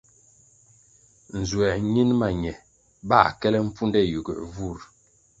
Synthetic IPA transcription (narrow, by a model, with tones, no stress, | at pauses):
n̩˨zwɛ˨ɲi˦nma˨ɲɛ˨ | ba˦˨kɛ˦lɛ˦m̩˦pu˦ndɛ˦ju˨ɡə̰˨vu˦˨ɾ